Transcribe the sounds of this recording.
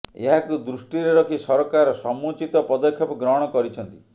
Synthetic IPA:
ḛɦakud̪ɾusʈiɾeɾɔkʰisɔɾɔkaɾɔsɔmut͡ʃit̪ɔpɔd̪ɔkʰjɔpɔɡɾɔɦɔɽ̃ɔkɔɾit͡ʃʰɔnt̪i̥

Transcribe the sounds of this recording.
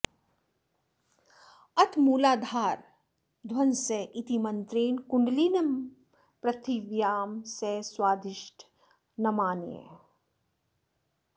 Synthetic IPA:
ɐt̪ʰmuːlaːd̪ʱaːɾ | d̪ʱwɐnseʔɪt̪imɐ̃nt̪ɾeːnkʊ̃ɳɖliːnɐm | pɾɐt̪ʰiʋjaːmseswaːd̪ɪʃʈʰ | nɐmaːnjḛ

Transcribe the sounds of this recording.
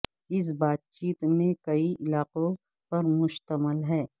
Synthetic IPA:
ɪs̬baːt̪̚t͡ʃiːt̪mẽkɐiʔɪlaːqõ | pɐɾmʊʃt̪əməlɦɛː

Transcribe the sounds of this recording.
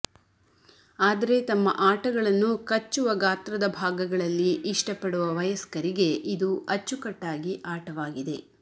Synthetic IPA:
aːd̪ɐɾe̞t̪ɐmːɐ̰ʔaːʈɐɡɐɭɐnːukɐt͡ʃːuʋɐɡaːt̪ɾɐd̪ɐbʱaːɡɐɡɐɭɐlːiʔiʂʈɐpɐɽuʋɐʋɐjɐskɐɾiɡe̞ʔid̪uʔɐt͡ʃːukɐʈːaːɡiʔaːʈɐʋaːɡid̪e̞

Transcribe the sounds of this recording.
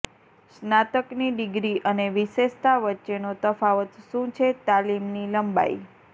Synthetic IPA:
snat̪əkniɖɪɡɾiʔəneʋɪʃeʃt̪aʋətːʃenot̪əfaʋət̪ʃũt͡ʃʰet̪alimniləmba̰ḭ

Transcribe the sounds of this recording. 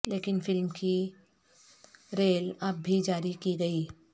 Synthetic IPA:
leːkɪnfɪlmki | ɾeːlɐbːʱid͡ʒaːɾikiɡɐiː

